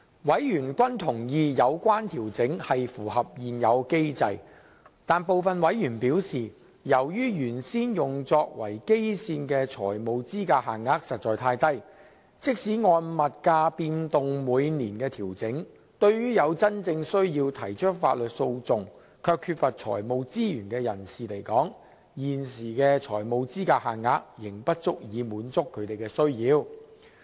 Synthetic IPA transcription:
wɐ˨˥jjyː˨˩nkʷɐ˥nt̪ʰʊ˨˩ŋjiː˨˧jɐ˨˧wkʷaː˥nt̪ʰiː˨˩wt͡sɪ˨˥ŋhɐ˨jfuː˨˩hɐ˨p̚jiː˨njɐ˨˧wke˥jt͡sɐ̰˨˧j | t̪aː˨npo˨wfɐ˨nwɐ˨˥jjyː˨˩npiː˨˥wsiː˨˩ | jɐ˨˩wjyː˥jyː˨˩nsiː˥njʊ˨ŋt͡sɔː˧k̚wɐ̰˨˩jke˥jsiː˧nkɛː˧t͡ʃʰɔ̰ː˨˩jmo˨˧wt͡siː˥kaː˧ɦa̰ː˨˩ŋːaː˧˥k̚sɐ˨t̚t͡ʃɔː˨jt̪ʰaː˧jt̪ɐ˥j | t͡sɪ˥k̚siː˨˥ŋɔː˧nmɐ˨t̚kaː˧piː˧nt̪ʊ˨ŋmuː˨˧jniː˨˩nkɛː˧t̪ʰiː˨˩wt͡sɪ˨˥ŋ | t̪ɵ˧ɥjyː˥jɐ˨˧wt͡sɐ˥nt͡sɪ˧ŋsɵ˥ɥjiː˧wt̪ʰɐ˨˩jt͡ʃʰɵ˥k̚faː˧˥t̚lɵ˨t̚so˧wt͡sʊ˨ŋ | kʰœː˧kʰːyː˧t̚fɐ˨t̚t͡ʃʰɔ̰ː˨˩jmo˨˧wt͡siː˥jyː˨˩nkɛː˧jɐ˨˩nsiː˨le˨˩jkɔː˨˥ŋ | jiː˨˩nsiː˨˩kɛː˧t͡ʃʰɔ̰ː˨˩jmo˨˧wt͡siː˥kaː˧haː˨˩ŋŋaː˧˥k̚jɪ˨˩ŋpɐ˥t̚t͡sʊ˥k̚jiː˨˧muː˨˧nt͡sʊ˥kʰːɵ˨˧ɥt̪e˨˩jkɛː˧sɵ˥ɥjiː˨˧w

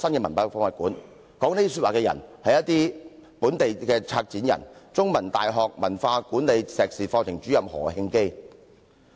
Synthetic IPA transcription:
sɐ˥nkɛː˧mɐ˨˩npaː˧˩fɔː˧˥ŋaː˨˩kuː˨˥n | kɔː˨˥ŋne˥t̪i˥sy˧t̚waː˨kɛː˧jɐ̰˨˩nhɐ˨jɐ˥t̪̚iː˥puː˨˥nt̪e˨jkɛː˧t͡sʰaː˧k̚t͡siː˨˥njɐ̰˨˩nt͡sʊ˥ŋmɐ˨˩nt̪aː˨jɦɔː˨k̚mɐ˨˩nfaː˧kuː˨˥nle˨˧jsɛː˨k̚siː˨fɔː˧t͡sʰɪ˨˩ŋt͡ʃyː˨˥jɐ˨p̚hɔ̰ː˨˩hɪ˧ŋke˥j

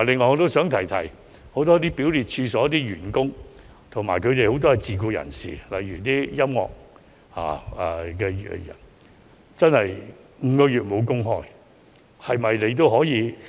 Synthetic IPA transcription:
lɪ˨ŋːɔː˧ɔ˧t̪o˥wsœː˨˥ŋt̪ʰɐ˨˩jt̪ʰɐ˨˩j | ho˨˥wt̪ɔː˥t̪iː˥pi˨˥wliː˨t̚t͡ʃʰyː˧sɔː˨˥t̪iː˥ɥyː˨˩nkʊ˥ŋ | t̪ʰʊ˨˩ŋmaː˨˩jkʰɵ˨˧ɥt̪e˨jho˨˥wt̪̬ɔː˥˨t͡siː˨k̬uː˧jɐ̰˨˩nsḭː˨˩lɐ̰˨jɥyː˨˩t̪iː˥jɐ˥mŋɔ̰ː˨k̚ | ha̰ː˨˩ɛ˨˧kɛ˧˨jɐ̰˨˩n | t͡sɐ˥nhɐ˨j | ŋ̩˨˧kɔː˧jyː˨t̚mo˨˧wkʊ˥ŋɦɔː˥j | hɐ˨jmɐ˨jle˨˧t̪̬o˥whɔː˨˥jiː˨˧

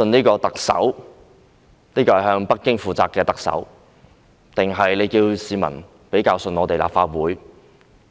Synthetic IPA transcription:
ɵ˧niː˥kɔː˧t̪ɐ˨k̚sɐ̰˨˥w | niː˥kɔː˧ɐ˨jhœː˧ŋpɐ˥k̚kːɪ˥ŋfuː˨t͡saː˨p̚kːɛː˧t̪ɐ˨k̚sɐ̰˨˥w | t̪ɪ˨ŋɦɐ˨jle˨˧jkiː˧wsiː˨mɐ̰˨˩n | pe˨˥jkaː˧wsɵ˧nɔː˨˧t̪e˨jla̰ː˨p̚faː˧t̚wuː˨˥j

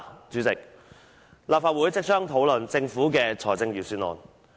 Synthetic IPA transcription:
t͡ʃyː˨˥t͡sɪ˨k̚ | laː˨pfaː˧t̚wuː˨˥jt͡sɪ˥k̚t͡ʃʰœː˥ŋt̪ʰo˨˥wlɵ˨nt͡sɪ˧ŋfuː˨˥kɛː˧t͡sʰɔː˨˩t͡sɪ˧ŋjiː˨˩syː˨˥nɔ̰ː˨˩n

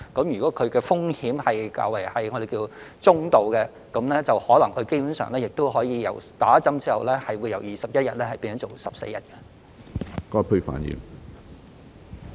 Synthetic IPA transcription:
kɐ˨˥mjyː˨kʷɔː˨˥kʰɵ˨˧ɥkɛː˧fʊ˥ŋhiː˨˥mhɐ˨jka̰ː˧wɐ˨˩jhɐ˨jŋɔː˨˧de˨jkiː˧t͡sʊ˥ŋt̪o˨wkɛː˧ | kɐ˨˥mlɛː˥t͡sɐ˨whɔː˨˥lɐ˨˩ŋkʰɵ˨˧ɥke˥jpuː˨˥nsœ̰ː˨ŋlɛː˥jɪ˨k̚t̪o˥wɦɔː˨˥jiː˨˧jɐ̰˨˩wt̪aː˨˥t͡sɐ˥mt͡siː˥ɐ˨wlɛː˥hɐ˨jwuː˨˧jɐ˨˩wjiː˨˩sɐ˨p̚jɐ˥t̚jɐ˨t̚lɛː˥hɐ˨jpiː˧nsɔ˨˥t͡so˨˩wsɐ˨p̚sḛ˧jɐ˨˩t̚kɛ˧ | kɔ˨˥˨pʰɵ˧ɥfa̰ː˨˩njḭ˨˩m

